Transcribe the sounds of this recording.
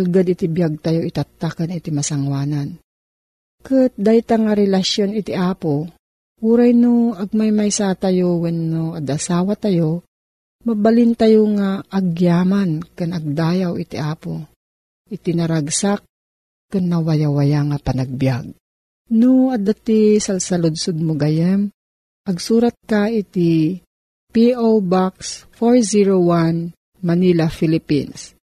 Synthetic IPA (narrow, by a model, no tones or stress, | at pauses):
lɡad̪ɪt̪ibjaɡ̚t̪ajoʔit̪at̪ːakanit̪imasaŋwaːnan | kɨt̪̚d̪ait̪aŋaɾɛlaʃjonɪt̪iʔaːpo | uɾajnoɐɡ̚majmajsaːt̪ajowɛnːoad̪asaːwat̪ajo | mɐbalɪnt̪ajoŋaʔːɡjaːmankɨnɐɡ̚d̪aːjawit̪iʔaːpo | ʔɪt̪inɐɾaɡsak̚ | kanːɐwajawajaŋapɐnaɡ̚bjaɡ̚ | noɐd̪at̪isalsɐlʊd̪sod̪̚mʊɡajɛm | ʔɐɡsuːɾat̪̚kait̪i | piʔowbaksfoɹziɹowan | mɐnilafilɪpḭns